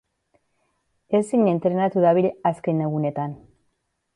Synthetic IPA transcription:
esiŋent̪ɾe̞nat̪uðaβilaskeneɣune̞t̪an

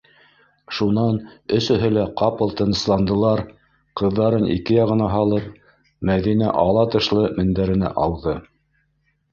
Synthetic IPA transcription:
ʃunɑnɵ̆sɵ̆ɦɘlæqɑpɤlˠt̪ɤ̆nɤ̆slˠɑnd̪ɤ̆lˠɑɾ | qɤ̆ðːɑɾɤnḭkɘjɑʁɤ̆nɑɦɑlˠɤp̚ | mæðinæ̰ʔɑlˠɑt̪ɤ̆ʃlˠɤmɘ̆nd̪æɾɘ̆næ̰ʔɑwðɤ

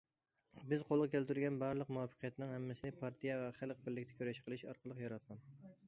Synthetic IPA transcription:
bɪzqʰolˠʁkʲʰælt̪yɾɡʲɛnbɑɾlˠəqmuɑfɨ̥qʰɨjɛt̪nɪŋhɛmːɪsɪnɪpʰɑɾt̪ʰijɛvɛχælˠq̚bɪɾlɪkʲt̪ʰɛ̥kʲøɾɛʃqʰəlˠɨʃɑ̰ɾqʰɑlˠəqjɑɾɑt̪̚qɑn

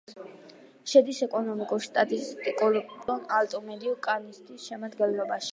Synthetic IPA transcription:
ʃɛd̪isɛkʼɔnɔmikʼuɾst̪ʼat̪ʼist̪ʼikʼulɔnalt̪ʼɔmɛd̪iukʼanist̪ʰʼisʃɛmad̪ɡɛnlˠɔbaʃi̥

